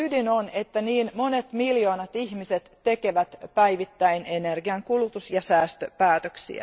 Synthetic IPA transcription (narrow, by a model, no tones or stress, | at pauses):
ydinonet̪ːæniːnmonet̪miljoːnɑt̪ihmiset̪tekeʋæt̪pæiʋit̪ːæinenerɡiɑŋkulut̪usjɑsæːst̪øpæːt̪øksḭæ̰